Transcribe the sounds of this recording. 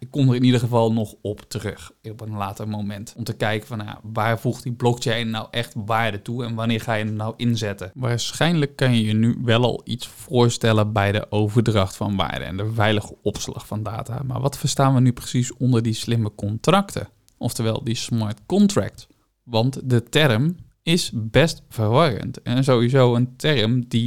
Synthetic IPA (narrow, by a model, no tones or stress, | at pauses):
ɪkːɔmdərɪnidəəvɑlˠnɔxɔptərøxɔpənlaːtərmomɛntɔmtəkɛjkəfɔnja̰ʋaːrvuxtdiblɔkt͡ʃejnːawʔɛxtʋaːɹdətuɛnʋanɪːɹxaːjəənawʔɪnzɛtəʋaːɹsxɛjnləkːʏnjəjənyʋɛlˠɑ̰lˠḭtsfʊːɹstɛləbɛjdə̰ʔowvərdrɑxtfɑnʋa̰ːɹdə̰ɛ̰ndəvɛjləxəɔpslɑ̰χfɑnda̰ːta̰ma̰ɹʋɑtfərstaːnʋənyprəsisɔndərdislɪməkɔntrɑktʰə̰ | ʔɔftəɹʋɛ̰lˠdismaɹtkɔntrɛ̰k̚t | ʋɑntdətɛrm | ɪsbɛstfərʋɑrə̰ntɛnzowʋizowəntʰɛrmdi